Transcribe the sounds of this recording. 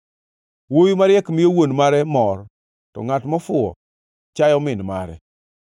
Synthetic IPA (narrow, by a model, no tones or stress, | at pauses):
wojumaɾɪjɛkmɪjowonmaɾɛmɔr | tɔ̰ŋatmɔfʊɔ̰ | t͡ʃajɔmɪnma̰ɾɛ̰